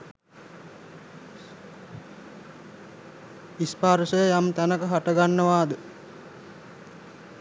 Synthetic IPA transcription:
ispaɾsəjamt̪ænəkəɦaʈəɡanːəʋaːd̪ə

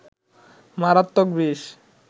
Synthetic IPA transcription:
maɾat̪ːok̚biʃ

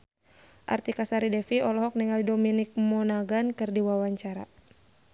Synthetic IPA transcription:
ʔa̰rt̪ikasaɾidɛfiɔlɔɦɔk̚niŋaldominik̚mɔnaɡankɨrdiwawaɲt͡ʃaɾa̰

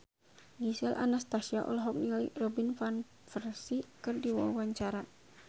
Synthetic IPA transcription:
ɡisɛlʔa̰nast̪asiaʔɔ̰lɔɦɔk̚nilirɔbinfan | fərsikɨrdiwawaɲt͡ʃaɾa

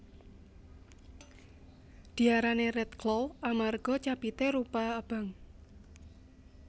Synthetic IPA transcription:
d̪̥i̤aɾanerɛt̪klɔwamarɡ̥ɔ̤t͡ʃab̥it̪eɾupaəb̥a̤ŋ

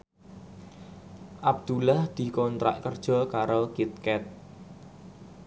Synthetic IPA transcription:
ʔab̚d̪̥ulahd̪̥i̤kɔnt̪ɾa̰ʔkərd̥ʒ̥ɔ̤kaɾokit̪̚kɛt̪̚

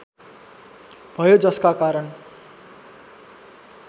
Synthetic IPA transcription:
bʱʌjod͡zʌskakaɾʌn

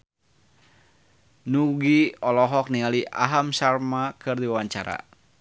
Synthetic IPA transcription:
nuɡiɔlɔɦɔk̚niŋaliʔa̰ɦamsarmakɨrdiwawaɲt͡ʃa̰ɾa̰

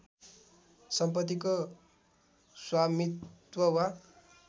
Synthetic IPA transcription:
sʌmpʌt̪ːiko | swamit̪wʌwa

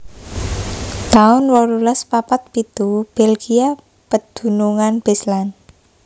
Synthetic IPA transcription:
t̪aʊnwɔlulɛspapat̪̚pit̪ub̥elɡia | pəd̪̥ṳnuŋanb̥eslan

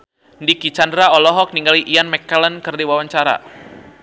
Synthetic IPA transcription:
ndikit͡ʃandɾaɔlɔɦɔk̚niŋɡaliʔianmɛkːalənkərdiwawaɲt͡ʃaɾa̰

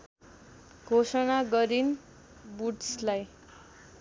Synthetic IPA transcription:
ɡʱosʌnaɡʌɾin | buʈslaj

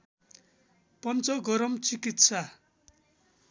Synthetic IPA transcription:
pʌnt͡sʌɡʌɾʌmt͡sikit̪sʰa

